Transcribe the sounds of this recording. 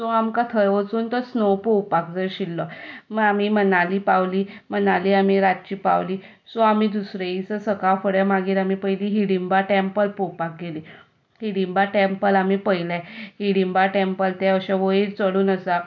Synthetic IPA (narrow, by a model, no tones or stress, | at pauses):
soamkat̪ʰəɾʋət͡suːnt̪əɾsnopowpak̚d͡zəɾɕilːɔməɡam̤imənaliːpaʋlimənaliːamiɾat̪̚t͡ɕiːpa̰wliː | soamid̪usɾeit͡səsəkafəɽjamaɡiːɾamipəjliːɦiɽimbaʈempəlpowpak̚ɡeliː | hiɽimbaʈempəlamipəjlahiɽimbaʈempəlt̪ɛəɕaʋəiɾt͡səɽuːnəsa